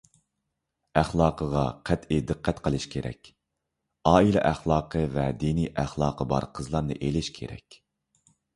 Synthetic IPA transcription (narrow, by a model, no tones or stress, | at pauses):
æχlˠɑːqʰəʁɑqʰæt̪id̪ɨqːæt̪qʰəlˠɨʃkʲʰeɾɛ̰kʲ | ɑːilɛ̰ʔæχlˠɑːqʰəvɛd̪iniʔæχlˠɑːqʰəbɑ̰ɾqʰəzlˠɑɾnɨʔelɪʃkʲʰḛɾɛ̰kʲ